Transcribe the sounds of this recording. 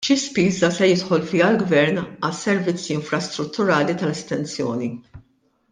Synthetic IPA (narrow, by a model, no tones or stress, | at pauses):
ʃispiːzɐsɛjɪt̪ħɔlfɪːɐlɡvɛɾnɐsɛɾvɪt͡sːiɪɱfɾɐst̪ɾʊt̪ːʊɾɐːlit̪ɐlɛst̪ɛnt͡sjɔːni